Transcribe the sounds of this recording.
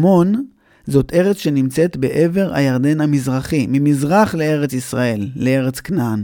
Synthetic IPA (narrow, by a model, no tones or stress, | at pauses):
mo̞n | zo̞t̪e̞ʁet͡sʃe̞nimt͡se̞t̪be̞ʔe̞ve̞ʁa̰jaʁd̪e̞nhamizʁaχimimizʁaχle̞e̞ʁe̞t͡sisʁae̞lːee̞ʁet͡sknan